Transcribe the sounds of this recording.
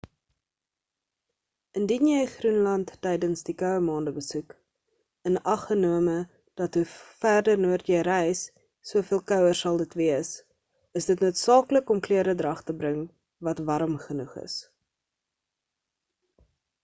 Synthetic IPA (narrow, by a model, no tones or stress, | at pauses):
əndinjɛjχrunlɐntːɛjdənsdikœwəmɑːndəbəsuk | ənɐχənuəmə | d̥ɐtɦufærdərnuərtjəjɾɛjsː | uəfiəlˠkœwərsɐlˠdətviəs | əsdətnuətsɑːkləkɔmkliəɾədrɐχtəbɾəŋ | vɐtvɐɾəmχənuχə̰s